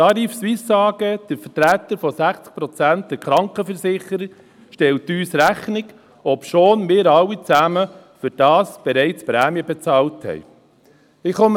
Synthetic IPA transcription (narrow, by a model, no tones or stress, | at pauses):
tɑɾiːfsʋɪsːɑːɡəd̥əfəɾtɾæːt̪əɾfɔsæχt͡sk̚pɾɔt͡sænt̚d̥ɛkɾɑŋkχəfəɾsɪχəɾə | ʃtɛltyːsɾæχnɪɡ | ɔpʃoːnmɪːɾɑlːit͡sæmə | fʏɾd̥ɑːsb̥ɛɾɛɪt͡spɾæːmjəbɛt͡sɑːlthɛ̰j | ɪχom